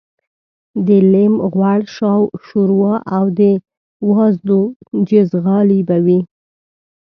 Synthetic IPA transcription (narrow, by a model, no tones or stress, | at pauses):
d̪əlɪmɣwaɽʃɑwʃuɾwɑʔawd̪ə | wɑzd̪od͡ʒɪzɣɑlibawi